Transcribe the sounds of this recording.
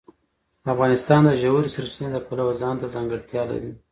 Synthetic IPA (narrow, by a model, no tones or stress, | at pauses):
afɣɑnɪst̪ɑnd̪əʒawuɾisaɾt͡ʃined̪əpalawzɑnt̪azɑŋɡəɽt̪jɑla̰ɾi